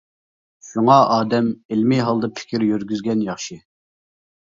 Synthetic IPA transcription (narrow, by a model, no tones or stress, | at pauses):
ʃuŋɑʔɑːd̪ɛmelmɪɦɑlˠd̪ɑpʰɪ̥kʲʰiɾjøɾɡʲyzɡʲɛnjɑχʃi